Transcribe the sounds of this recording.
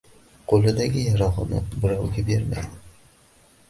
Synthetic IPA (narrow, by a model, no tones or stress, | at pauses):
qʰolˠɪd̪aɡʲɪjaɾɒʁɨnɪ̰bɪɾɒwɡʲabe̞ɾma̰jd̪ɪ